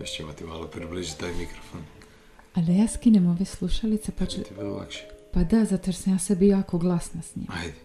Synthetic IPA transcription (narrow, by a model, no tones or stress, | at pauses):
joʃt͡ɕeimat̪ima̰lopɾibliʒit̪ajmikɾofon | ad̪ajaːskinemoʋeslˠuʃalit̪sepat̪ivlo̰lˠa̰kʃe̥pad̪azat̪oɾsamjaːsebijoakoɡlˠasnasɲḭmajd̪e